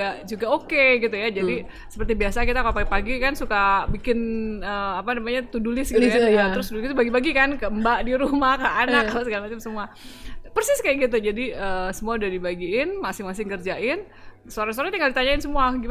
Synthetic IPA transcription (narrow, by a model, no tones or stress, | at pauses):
ad͡ʒuɡaokeɡit̪ujad͡ʒadi | səpərt̪ibiasakit̪akapaɡipaɡikansukabikɪnəːapanamaɲat̪udulɪsɡitajat̪əɾʊsdɡit̪ubaɡibaɡikankəəmbaʔdiɾumahkaanakalasəkalimasɪmsəmua | pərsɪskajaʔɡit̪̬ud͡ʒadiəːsəmuaudadibaɡiɪnmasɪŋmasɪŋkərd͡ʒaʔɪn | soɾaŋsoɾat̪iŋɡaldit̪aɲaɪnsəmuaɡim